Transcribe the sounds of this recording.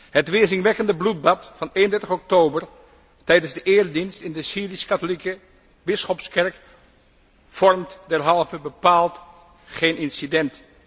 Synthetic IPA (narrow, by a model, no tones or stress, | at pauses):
ɦətʋɪːzɪŋʋɛkəndəblut̚bɑtfɑnejəndɛɹtəχɔk̚towbəɹ | tɛjdənzdəʔɪːrdinstɪndəsiːriskatolikə | bɪsχɔpskɛɹk | fɔɹmtdɛɹɦɑlˠvəbəpaːlˠt | χejnɪnsidɛnt